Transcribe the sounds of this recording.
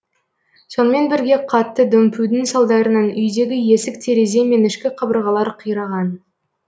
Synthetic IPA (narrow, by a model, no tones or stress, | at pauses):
so̞nəme̞nbɪɾɡʲe̞qʰɑt̪ːəd̪ɵmpʰud̪ɪŋsɑlˠd̪ɑɾənɑnʏjd̪e̞ɡʲɪje̞sɪk̚t̪ʰeɾe̞ze̞me̞nɪʃkʲɪqʰɑbəɾʁɑlˠɑɾqʰijɾɑʁɑn